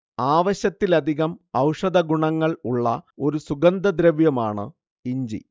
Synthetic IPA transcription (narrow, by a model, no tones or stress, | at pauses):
aːʋɐɕɐt̪ːilɐd̪ʱiɣɐmɐwʂɐd̪ɐɡuɳɐŋːɐɭuɭːɐ̰o̞ɾusuɡɐnd̪ɐd̪ɾɐʋjɐmaːɳɨ̰ | iɲd͡ʑḭ